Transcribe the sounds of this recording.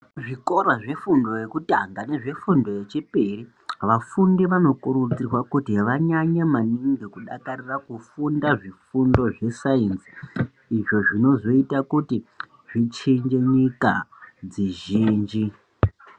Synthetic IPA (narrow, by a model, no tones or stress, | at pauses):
ʐikoɾaʐe̞fundo̞je̞kutaŋɡane̞ʐe̞fundo̞jet͡ʃiperi | ʋafundiʋano̞kuɾut͡sirwakutiʋaɲaɲemaniŋɡekuɗakarirakufundaʐifundo̞ʐe̞saensi̥ː | ʐo̞ʐino̞zo̞itakuti | ʐit͡ʃend͡ʒe̞ɲikad͡ziʒiːnd͡ʒi